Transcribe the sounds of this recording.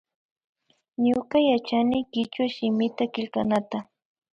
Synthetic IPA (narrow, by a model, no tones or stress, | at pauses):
ɲokajat͡ʃanɪkɪt͡ʃwaʃɪmɪt̪akɪlkanat̪a